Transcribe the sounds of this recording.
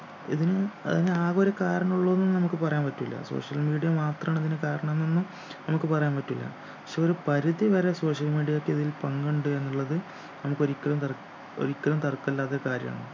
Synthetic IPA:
ḭðinɨɐ̰ðineaːɣoɾekaːɾɐɳɐuɭːɐðenunːɨnɐmukːɨpɐrɐjaːnpɐtːilːɐ̰so̰ːʂɐlmiːɽijɐmaːt̪rɐmaːɳiðinɨkaːɾɐɳɐmenːonːu | nɐmukːɨpɐrɐjaːnpɐtːilːɐ̰ | pɐkʂeo̞ɾupɐɾuðiʋɐɾe̞so̞ːʂjɐlmiːɽijɐokːɨiðilpɐŋɡuɳɖɨe̞nːuɭːɐðɨ | nɐmukːo̞ɾikʲːɐlumt̪ | o̰ɾikʲːɐlumt̪ɐrkːɐlːaːt̪ːokaːɾjɐ̰ma̰ːɳɨ

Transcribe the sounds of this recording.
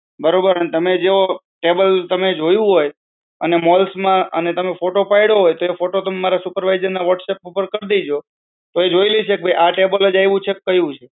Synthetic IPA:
bəɾobəɾənet̪əmed͡ʒeo | ʈebəlt̪əmed͡ʒojũɦoj | ənemɔlsmãə̰net̪əmefoʈopajɽoɦojt̪oefoʈot̪əmmaɾasupəɾʋajzəɾnaʋəʈsepupəɾkəɾd̪id͡ʒo | t̪oed͡ʒoiliit͡ʃʰek̚bʱejʔaʈebəlod͡ʒajʋũt͡ʃʰekkːəjũt͡ʃʰe

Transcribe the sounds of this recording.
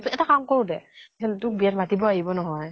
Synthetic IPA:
tɛtakamkoɹʊdɛsʰantʊk̚bijatmatibɔaɦibɔnɔɦɔj

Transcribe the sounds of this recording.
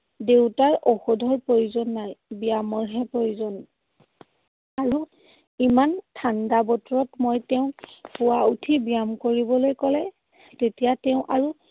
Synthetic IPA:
dewtaɹɔxɔdʱɔɹpɹojuzɔnːajbijamɔɹɦɛpɹojuzɔn | aɹu | imantʰandabɔtɔɹɔtmojtɛʊ̃puwautʰibijamkoɹibɔlojkɔlɛ | tetijatɛʊ̃ʔaɹu

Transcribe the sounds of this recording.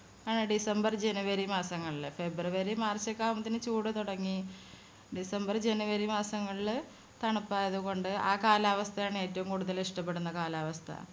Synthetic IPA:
aːɳɨɖisɐmbɐrd͡ʑenuʋɐɾimaːsɐŋːɐɭilfe̞bruʋɐɾimaːrt͡ɕːɐkːaːmɐt̪ːinɨt͡ɕuːɽɐt̪uɽɐŋːi | ɖisɐmbɐrd͡ʑenuʋɐɾimaːsɐŋːɐɭiɭ | t̪ɐɳɐpːaːjɐðuɣo̞ɳɖɨaːkaːlaːʋɐst̪ʰɐjaːɳɨe̞ːtːɐʋumkuːɽuðɐliʂʈɐpːe̞ɽunːɐkaːlaːʋɐst̪ʰɐ̰

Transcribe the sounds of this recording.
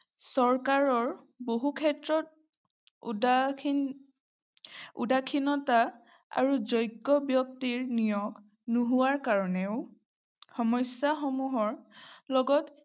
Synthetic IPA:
sɔɹkaɹɔɹ | boɦukʰɛtɹɔt̚ | da | ṵdakʰinɔta | a̰ɹuzɔjkːɔbjɔk̚tiɹnijɔk | nuɦuwaɹkaɹɔnɛʊ | xɔmɔjsjaxɔmuɦɔɹlɔɡɔt

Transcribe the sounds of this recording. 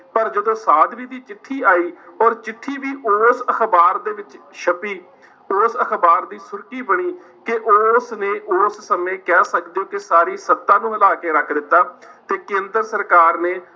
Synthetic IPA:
pəɾd͡ʒəd̪õːsaːd̪ʋiːd̪iːt͡ʃɪʈʰːiːaːiːɔːɾt͡ʃɪʈʰːiːʋiːʔoːsəxbaːɾd̪eːʋɪt͡ʃʃʰəpiː | ʊːsəkbaːɾd̪iːsʊɾkiːbəɽ̃iː | kɪʔoːsneːʔoːssəmẽːkɛːsəkd̪ejõːkɪsaːɾiːsət̪ːãːnũːəlaːkeːɾəkʰd̪ɪt̪ːaːt̪eːkẽːnd̪əɾsəɾkaːɾneː

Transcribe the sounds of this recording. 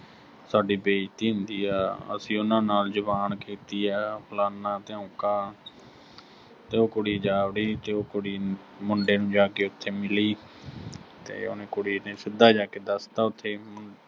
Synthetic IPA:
saːɖiːbeːt̪iːɦʊnd̪iːɛːə̰sĩːʊnãːnaːld͡ʒʊbaːnkiːt̪iːɛːpʰʊlaːnaːt̪eːõːkaː | t̪eːoːkʊɽiːd͡ʒaːʋɽiːt̪eːoːkʊɽiː | mʊɳɖeːnũːd͡ʒaːkeːʊt̪ʰːeːmɪliː | t̪ḛːo̰ːnẽːkʊɽiːneːsɪd̪aːd͡ʒaːkeːd̪əst̪aːʊt̪ʰːeːmʊ

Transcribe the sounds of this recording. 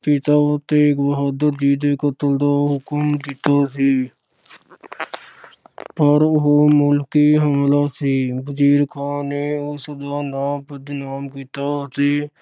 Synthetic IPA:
pɪt̪at̪eːkbəɦəd̪əɾd͡ʒiːd̪ekət̪əld̪aɦʊkmd̪ɪt̪asiː | pəɾɦomʊlkiɦəmlasiːbəd͡ʒiːɾkʰaːnːeʊsəd̪aːnaːpəd̪naːmkit̪asiː

